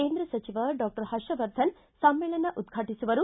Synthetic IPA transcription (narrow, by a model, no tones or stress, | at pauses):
keːnd̪ɾɐsɐt͡ʃiʋɐɖaːk̚ʈɐɾhɐʂɐʋɐɾd̪ʱɐn | sɐmːeːɭɐnːɐʔud̪ɡʱaːʈisuʋɐɾu